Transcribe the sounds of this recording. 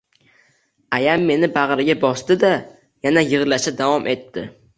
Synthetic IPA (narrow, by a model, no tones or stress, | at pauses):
ajamːe̞nɪbaʁɾɪɡʲabɒst̪ɪd̪a | janajɨʁlaʃad̪avɒmʔe̞t̪ʰːɪ